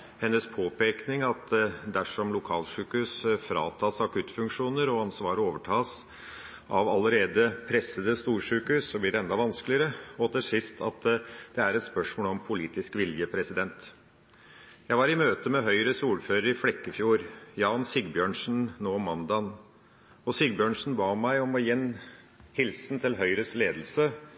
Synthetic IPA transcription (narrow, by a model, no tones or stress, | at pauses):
hɛnːəspʰoːpeːknɪŋɑt̪d̪æʂɔmlʊkʰɑːlʂʉːkʉsfɾɑ̰ːt̪ʰɑːsɑkʉt̪ːfʉŋkʂuːnəɾɔɑnsʋɑːɾəoːʋəʈʰɑːs | ʔɑʋɑləɾeːd̪əpʰɾɛsːəd̪əst̪uːʂʉːkʉsːɔblɪɖɛɛnd̪ɑʋɑnsklɪəɾəɔt̪ʰɪlsɪst̪ʰɑ̰t̪d̪̥ɛæɾɛt̪spœʂmoːlɔmpʰʊliːt̪ɪskʋɪljəpʰɾɛsɪd̪ɛnt̪ | jæɪʋɑɾɪmøːt̪əmɛɦœʏɾəsuːføːɾəɾɪflɛkːəfjuːɾjɑːnsɪɡbjøːɳʂn̩noːmɑnd̪ɑn | ɔsɪɡ̚bjøːɳʂn̩bɑːmæɪɔmɔjɛnː | hɪlsnt̪ʰɪlɦœʏɾəsleːd̪lsə